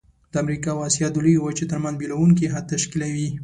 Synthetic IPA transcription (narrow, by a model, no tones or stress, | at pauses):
d̪əamɾikɑwɑsijɑd̪ʊliwat͡ʃet̪əɾmanzbelawuŋk̬iɦad̪̚t̪aʃkilawi